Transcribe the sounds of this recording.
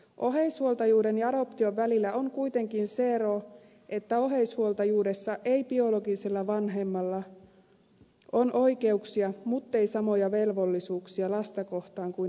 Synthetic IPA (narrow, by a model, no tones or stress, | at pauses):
ʔo̞ɦeishuolt̪ɑjuːde̞njɑɑɾo̞pt̪io̞ʋʋælilːæʔoŋkujt̪e̞ŋkinse̞ɾo | ʔe̞t̪ːæo̞ɦe̞ishuolt̪ɑjuːdesːɑʔe̞jbio̞lo̞ɡiselːɑʋɑnɦemːɑlːɑ | ʔo̞nʔo̞jke̞uksiɑmut̪ːe̞jsɑmo̞jɑʋe̞lʋo̞lːisuːksiɑlɑst̪ɑko̞ht̪ɑːŋkui